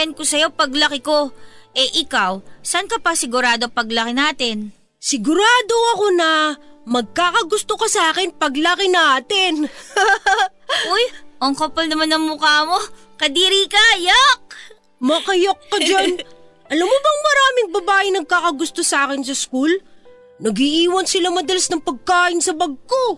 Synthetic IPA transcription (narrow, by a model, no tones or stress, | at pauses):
ɐnkosɐjo̞pɐɡlɐkɪkoʔɛʔɪkawsɐnkɐpɐsɪɡʊɾaːd̪opɐɡlɐkɪnaːt̪ɪn | sɪɡʊɾaːd̪o̞ɐko̞nɐmɐɡ̚kaːkɐɡʊst̪okɐsɐaːkɪnpɐɡlɐkɪnɐaːt̪ɪn | ʔojʔoŋkopɐlnɐmanɐŋmʊkaːmo | kɐd̪iːɾiːkɐjok̚ | mɐkɐjokːɐd͡ʒan | ʔɐlɐmobɐŋmɐɾaːmɪŋbɐbaːʔɪnɐɡ̚kaːkɐɡʊst̪osaːkɪnsɐskul | nɐɡiʔiːwɐnsɪlamɐd̪ɐlɐsnɐŋpɐɡ̚kaːʔɪnsɐbɐɡ̚ko